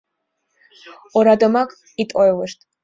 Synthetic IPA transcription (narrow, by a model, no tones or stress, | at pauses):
ɔɾad̪ɔmakʼ | it̪ʼɔɛlɨʃt̪ʰʼ